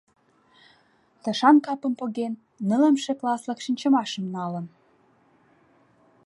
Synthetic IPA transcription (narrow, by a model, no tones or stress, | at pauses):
t̪ə̆ʃɑnkɑpə̆mpoɣenː | ə̆ləmʃĕklɑslə̆kʃinʲt͡ɕə̆mɑʃə̆mnɑlə̆n